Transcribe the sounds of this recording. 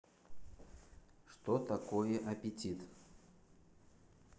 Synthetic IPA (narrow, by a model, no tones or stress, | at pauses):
ʂt̪ɔt̪akɔjɛʔɐpʲit͡sʲit̪